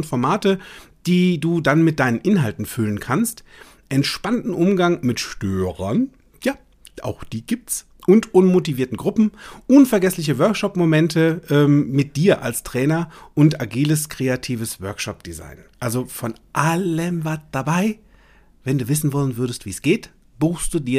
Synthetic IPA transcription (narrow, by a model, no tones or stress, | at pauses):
nfɔɐmaːtəd̥iːduːdanmɪt̚d̥aɪnənʔɪnɦaltn̩fʏlənkʰanst | ʔɛntʃpantn̩ʔʊmɡaŋmɪtʃtøːʁɐn | ja | ʔa̰ʊxd̥iːɡiːp̚ts | ʔʊntʔʊnmotiviːɐtn̩ɡʁʊpm̩ʔʊnfɛɐɡɛslɪç̬əvœɐkʃɔpmomɛntʰəʔɛːmmɪt̚d̥iːɐʔa̰lstʁ̥ɛːnɐʔʊntaɡiːləskʁ̥eatʰiːvəsv̥œɐkʃɔp̚d̥iza̰ɪnʔalzofɔnʔaləmvaɐtd̥abaɪ | vɛnduːvɪsn̩vɔlənvʏɐɾəstv̥iːsɡ̥eːt | b̥uːxstd̥uːdiːɐ